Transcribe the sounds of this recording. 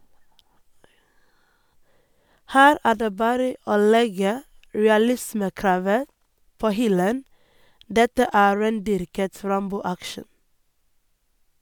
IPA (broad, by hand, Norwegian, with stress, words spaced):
ˈhæːɾ ˈæː ˈɖeː ˈbɑːɾə ˈoː ˈlɛɡə ɹɛɑˈlɪsməˌkɾɑːʋə ˈpoː ˈhʏlən ˈdɛtə ˈæː ˈɹeːnˌdʏɾkət ˈɾɑmbuː ˈækʃɳ̩